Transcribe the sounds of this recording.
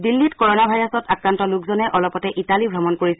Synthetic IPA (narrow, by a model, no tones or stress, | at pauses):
dilːitkɔɹɔnabʱajɹɔsɔtakɹantɔlukzɔnɛʔɔlɔpɔtɛʔitalibʱɹamɔnkoɹisɛ